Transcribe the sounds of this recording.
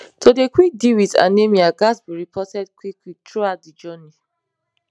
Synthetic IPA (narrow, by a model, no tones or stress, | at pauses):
todekwik̚diwita̰nemiaɡasbiɹipʰɔtɛdkwikwitʰɹuat̚did͡ʒɔni